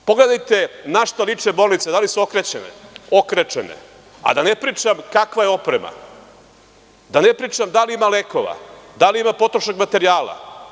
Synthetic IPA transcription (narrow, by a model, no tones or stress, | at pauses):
po̞ɡle̞d̪ajt̪e̞naʃt̪alˠit͡ʂebo̞ːlˠnit̪sed̪alisuokɾet͡ɕenḛokɾet͡ʃenḛ | a̰d̪anepɾiːt͡ʂamkakʋajeo̞pɾema̰ | d̪anepɾiːt͡ʂamd̪aliimaleko̞ʋa̰d̪aliimapo̞t̪ɾoʃakmat̪e̞ɾijaːla̰